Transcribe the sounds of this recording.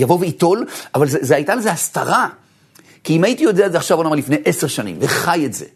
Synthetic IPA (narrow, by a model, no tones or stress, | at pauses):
javoveito̞lavalzezeajtalezeast̪a̰ʁa | kiimaitijo̞deaetzeaχʃavonamalifne̞jʔese̞ʁʃanḭmveχaje̞tz̥e̞̰